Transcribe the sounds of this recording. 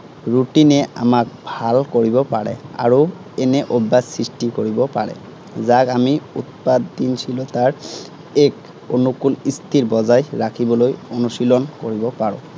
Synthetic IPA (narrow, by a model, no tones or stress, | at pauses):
ɹuʈinɛa̰mak̚bʱalkoɹibɔpaɹɛ̰a̰ɹu | ɛnɛʔobːasɹisʈikoɹibɔpaɹɛ̰ | zakamiṵt̪̚pad̪dinsʰilɔt̪aɹ | ɛk | onukulist̪ʰiɹbɔzajɹakʰibɔlojonusilɔnkoɹibɔpaɹʊ̰̃